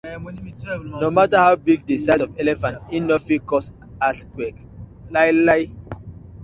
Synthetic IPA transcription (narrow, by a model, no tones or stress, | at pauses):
nomatahaʊbiɡdesasɔvɛlɛfãntinɔfikɔs | atwɛk | lajlaj